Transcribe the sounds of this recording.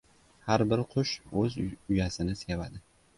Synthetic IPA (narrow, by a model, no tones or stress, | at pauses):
haɾbɪɾqʰʊʃɵzʊjasɪnɪsevad̪ɪ